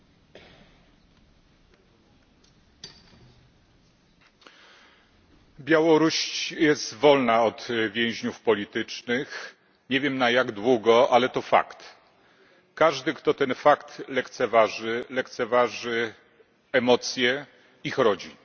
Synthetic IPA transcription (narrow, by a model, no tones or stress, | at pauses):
bʲjawɔɾuɕt͡ɕjɛst̪vɔlnaɔt̪vʲjɛ̃w̃ʑɲufpɔlʲit̪ɘt͡ʂnɘx | ɲɛvʲjɛmnajaɡd̪wuɡɔʔalɛt̪ɔfa̰kt̪ | kaʐd̪ɘkt̪ɔt̪ɛnfakt̪lɛkt̪sɛvaʐɘlɛkt̪sɛvaʐɘ | ɛmɔt̪sʲjɛ | ixɾɔd͡ʑi